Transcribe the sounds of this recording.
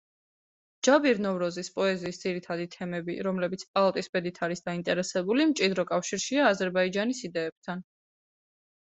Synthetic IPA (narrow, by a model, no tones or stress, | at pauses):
d͡ʒ̥abiɾnɔvɾɔzispʼɔɛziːsd̪z̥iɾit̪ʰad̪it̪ʰɛmɛbiɾɔmlɛbit̪sʰpʼalˠat̪ʼisbɛd̪it̪ʰaɾisd̪aint̪ʼɛɾɛsɛbulimt͡ʃʼid̪ɾɔkʼafʃiɾʃiaːzɛɾbaid͡ʒanisid̪ɛːb̥̚t̪ʰan